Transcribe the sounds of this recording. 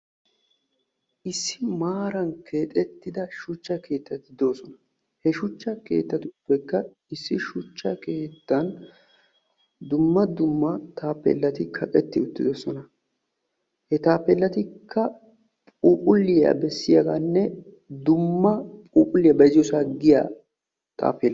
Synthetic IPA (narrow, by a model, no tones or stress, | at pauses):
ʔɪsːɪmaːɾɐnkʰe̞ːt̪ʼɛt̪ːɪd̪ɐʃʊt͡ʃːɐke̞ːt̪ːɐt̪ɪd̪o̞ːsɔnɐ | hɛʃʊt͡ʃːɐke̞̰ːt̪ːɐt̪ɪʊpːɛkːɐ | ɪsːɪʃʊt͡ʃːɐke̞ːt̪ːɐn | d̪ʊmːɐd̪ʊmːɐt̪ʰaːpːɛ̰lːɐt̪ɪkʰɐkʼɛt̪ːɪʊt̪ːɪd̪oːsɔnɐ | hɛt̪aːpːɛlːɐt̪ɪkːɐ | pʼuːpʼʊlːɪjɐ̰bɛsːɪjɐɡanːɛ | d̪ʊmːɐpʼuːpʼʊlːɪjɐbɐzɪjɔsaɡɪja̰ː | t̪ʼa̰ːpːel